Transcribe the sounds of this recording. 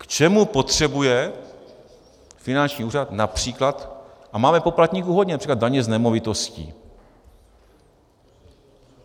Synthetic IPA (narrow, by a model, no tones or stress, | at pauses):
kt͡ʃɛmupo̞t̪r̝̥ɛbujɛ | fɪnant͡ʃɲiːuːrat̪napr̝̥iːklat̪ʔamaːmɛpo̞plat̪ɲiːkuɦodɲɛnapr̥iːklad̪aɲɛznɛmo̞vɪt̪oscḭː